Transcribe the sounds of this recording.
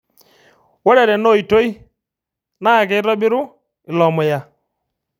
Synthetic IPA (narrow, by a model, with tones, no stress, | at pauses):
wɔ˦ɾɛ˨ɾɛ˨no˦˨i˨to˦i˦ | na˦˨kɛ˨˦ɪ˦ɾɔ˦bɪ˦ɾʊ˦ | ɪ˨lɔ˨mʊ˨ja˨